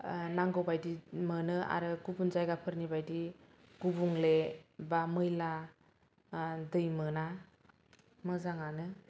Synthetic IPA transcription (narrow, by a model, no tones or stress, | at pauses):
naŋɡɔwbajdimɯnɯa̰ɾɯɡubunzajɡapʰɯɾnibajdi | ɡ̥ubuŋlebamɯjla | dɯjmɯna | mɯzaŋanɯ